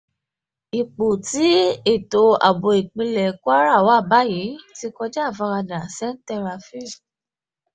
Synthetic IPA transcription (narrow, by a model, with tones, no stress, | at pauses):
i˨k͡po˨ti˨˦e˦˨to˧a̰˨bo˨e˨k͡pĩ˧lɛ˨kwa˦ɾa˦˨wa˦˨ba˨˦ji˨˦ti˧kɔ˧d͡ʒɛ˦˨fa˧ɾa˧da˨sɛ̃˦n̩˦tɛ˧ɾa˧fi˦